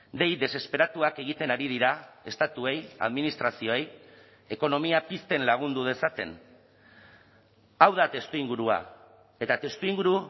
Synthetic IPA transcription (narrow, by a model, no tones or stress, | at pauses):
d̪e̞jd̪e̞se̞spe̞ɾat̪uake̞ɣ̞it̪e̞naɾið̞iɾae̞st̪at̪ue̞ja̰ðminist̪ɾasio̞e̞j | e̞ko̞no̞miapist̪e̞nlaɣ̞und̪uð̞e̞sat̪e̞̰n | awðat̪e̞st̪uiŋɡuɾua̰ | e̞t̪at̪e̞st̪uiŋɡuɾu